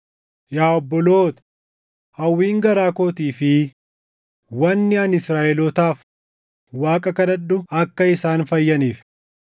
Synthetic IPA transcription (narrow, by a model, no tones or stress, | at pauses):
jaːɔbːɔloːt̪ɐ̥ | hɐwːiːŋɡɐɾaːko̞ːt̪iːfɪ | wɐnːɪɐnɪsɾaːʔɛlɔt̪aːf | waːkʼɐkɐnɐɗːʊɐkːɐɪsaːnfɐjːɐniːf